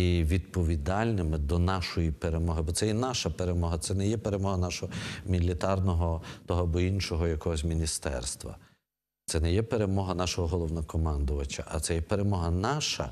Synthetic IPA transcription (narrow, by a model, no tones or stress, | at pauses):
iʋʲid̪pɔʋʲid̪ɑlʲnɪmɪd̪ɔnɑʃɔjipeɾemɔɦɪbɔt̪sɛjɛnɑʃɐpeɾemɔɦɐt̪sɛnɛjɛpeɾe̞mɔɦɐnɑʃɔɦɔmʲilʲit̪ɑrnɔɦɔt̪ɔɦɔbɔinʃɔɦɔjɐkɔɦɔs̬ʲmʲinʲist̪ɛ̰rst̪ʋɐ̰ | t̪sɛnɛjɛpeɾe̞mɔɦɐnɑʃɔɦɔɦɔlˠɔʋnɐkɔmɑnd̪ʊʋɐt͡ʃɐ̰ʔɐt̪sɛjɛpeɾemɔɦɐnɑʃɐ̰